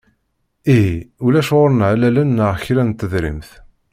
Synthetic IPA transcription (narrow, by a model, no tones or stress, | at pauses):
iɦiulæʃʊɾənʕlælænːəʁçɾænt̪ːəðɾḭmθ